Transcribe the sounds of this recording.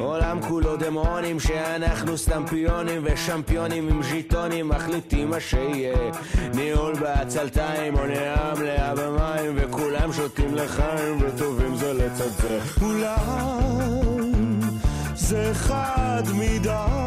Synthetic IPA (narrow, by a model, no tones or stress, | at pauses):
o̞lamkulo̞d̪emonimʃeanaχnust̪ampionimveʃampijonimimʃit̪onimːaχlit̪imaʃeije | niulbeat͡salt̪aimoneamleabamaimvekulamʃot̪imleχaimvet̪ovimzelet͡sadze | kula | m | zɛχad̪mid̪a